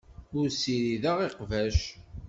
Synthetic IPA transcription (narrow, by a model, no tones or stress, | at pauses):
ʊɾsiɾiðəʁiqvæʃ